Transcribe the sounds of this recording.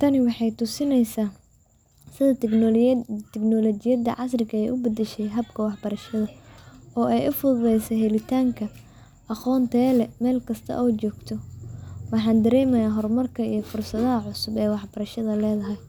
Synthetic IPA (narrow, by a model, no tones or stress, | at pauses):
t̪ʰɐnɪwɑħɑjt̪ʊsɪnɛjsaː | sɪðɐ | t̪ʰɛknɔlɔt͡ʃɪjɐd̪ɐ̰ʕɑs̬rɪkʰɐɛjʔʊbɐd̪ɛʃɛjɦɐbkʰɐwɑħbɐɾɐʃɐðɐɔːɛjʔʊfʊðlɛjsɛɦɛlɪt̪ʰaːŋkʰɐ | ʔɑχɔːnt̪ʰɛːlɛmɛːlkʰɐst̪ʰɐ̰ʔɔːt͡ʃɔːɡt̪ʰɔwɑħɑːnd̪ɐɾɛːmɐjaːɦɔrmɐrkʰɐijɞfʊrsɐðɐɦɐʕʊsʊbɛːwɑħbɐɾɐʃɐðɐlɛːðɐɦɛj